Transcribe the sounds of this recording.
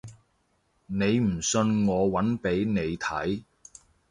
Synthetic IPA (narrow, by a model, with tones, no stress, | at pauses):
ne˨˧jm̩˨˩sɵ˧nŋɔː˨˧wɐ˨˥npe˨˥jne˨˧jt̪ʰɐ˨˥j